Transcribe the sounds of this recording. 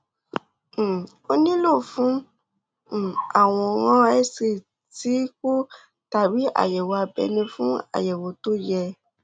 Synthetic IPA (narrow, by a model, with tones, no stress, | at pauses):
o˧nĩ˦lo˦˨fũ˨˦˨ | a˦˨w̃ɔ̃˧ɣã˦ɛ˦se˦˨ | ti˨˦ku˦ | ta˨bi˨˦ʔa̰˨jɛ˨wo˨a˧bɛ̰˧nĩ˧fũ˦a̰˦˨jɛ˨wo˨˦to˦jɛ˧